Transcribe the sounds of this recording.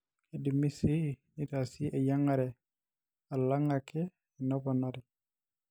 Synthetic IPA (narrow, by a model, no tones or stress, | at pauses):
edimisinitasiʔejaŋaɾɛ | alaŋakɛ | ɛnɔbɔnɔɾi